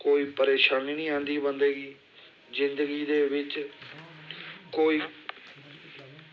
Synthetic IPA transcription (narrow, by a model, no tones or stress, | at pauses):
koːiːpəɾeːʃaːniːnĩːãːnd̪iːbənd̪eːɡiː | zɪnd̪əɡiːd̪eːʋɪt͡ʃ | koːiː